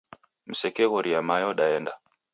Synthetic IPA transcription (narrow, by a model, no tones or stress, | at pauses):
m̩sɛkɛɣɔɾiamajɔɗaɛnda